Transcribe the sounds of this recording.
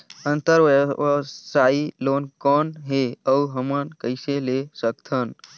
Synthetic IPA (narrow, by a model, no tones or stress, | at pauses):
ənt̪əɾʋ | sailoːnkɔːnɦeəuɦəmənkəɪselesəkt̪ʰən